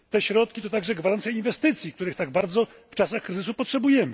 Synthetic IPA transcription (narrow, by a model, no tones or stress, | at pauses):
t̪ɛɕɾɔt̪̚kʲit̪ɔt̪aɡʐɛɡvaɾant̪sjainvɛst̪ɘt̪sʲjik̚t̪uɾɘxt̪aɡbaɾd̪zɔ | ft͡ʂasaxkɾɘzɘs̬upɔtʂɛbujɛmɘ